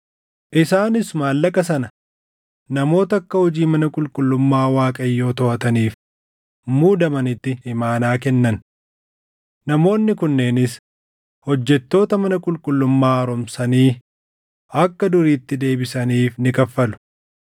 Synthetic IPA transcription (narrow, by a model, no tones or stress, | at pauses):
ʔɪsaːnɪsmaːlːɐkɐsɐnɐ | nɐmo̞ːt̪ɐɐkːɐhɔd͡ʒiːmɐnɐkʼʊlkʼʊlːʊmːaːwaːkʼɐjːo̞ːt̪ɔʔɐt̪ɐniːf | muːd̪ɐmɐnɪt̪ːɪɪmaːnaːkɛnːɐn | nɐmo̞ːnːɪkʊnːe̞ːnɪs | hɔd͡ʒːɛt̪ːo̞ːt̪ɐmɐnɐkʼʊlkʼʊlːʊmːaːɾɔmsɐniː | ʔɐkːɐd̪ʊɾiːt̪ːɪd̪e̞ːbɪsɐniːfnɪkɐfːɐlʊ̥